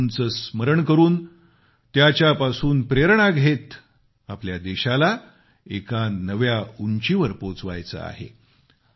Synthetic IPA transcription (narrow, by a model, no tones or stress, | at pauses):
nt͡səːsməɾəɳkəɾuːn | t̪jat͡ɕjapasuːnpɾeɾɳ̃aɡʱet̪ | apljad̪eɕala | ekanəʋjauɲt͡ɕiʋəɾpot͡sʋa̰jt͡sə̰a̰ɦḛ